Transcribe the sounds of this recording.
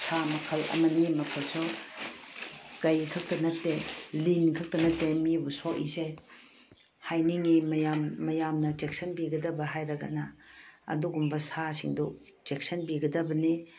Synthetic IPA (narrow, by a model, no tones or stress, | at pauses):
samɐkʰɐlɐ̰mɐnimɐkʰolsɔ | kɐjkʰɐk̚tɐnɐtːelinkʰɐk̚tɐnɐtːemibusɔʔḭse | hajniŋimɐjamːɐjamnɐd͡ʒek̚sɐnbiɡɐdɐbɐɦajɾɐɡɐ̰nɐɐ̰duɡumbɐsasiŋdu | d͡ʒek̚sɐnbiɡɐdɐbɐni